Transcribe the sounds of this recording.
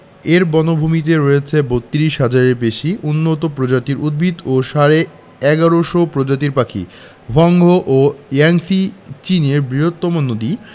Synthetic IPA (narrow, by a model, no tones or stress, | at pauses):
eɾbɔnobʱumit̪̬eɾojet͡ɕʰebot̪ːiɾiʃɦad͡ʑaɾeɾbeʃiunːot̪opɾod͡ʑat̪iɾud̪̚bʱid̪oʃaɾe | ɛɡaɾoʃopɾod͡ʑat̪iɾpakʰḭ | bʱɔŋɡʱoʔojaŋsit͡ɕineɾbɾiɦot̪ːomonod̪i